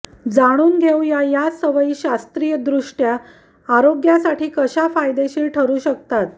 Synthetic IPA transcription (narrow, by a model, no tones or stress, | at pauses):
d͡zaɽ̃uːnɡʱeujajasəʋəiːɕast̪ɾijəd̪ɾuʂʈjaː | ɾoɡjasaʈiːkəɕafajd̪eɕiːlʈʰəɾuːɕəkt̪at̪